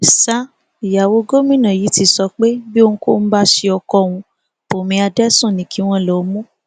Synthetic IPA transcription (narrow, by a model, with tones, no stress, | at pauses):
sa˦ | i˨ja˨wo˧ɡo˦mĩ˦˨nã˨ji˨˦ti˧˦sɔ˧k͡pe˦bi˦o˧nũ˧ko̰˦n̩˦ba˦ʃi˧ɔ˧kɔ˧˨w̃ũ˧ | po˨mĩ˧a˧dɛ˦sũ˦˨nĩ˨ki˨˦w̃ɔ̃˦˨lɔ˨˦mũ˦